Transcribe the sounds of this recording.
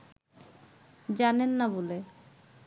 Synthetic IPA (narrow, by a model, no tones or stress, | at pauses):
d͡ʑanenːabole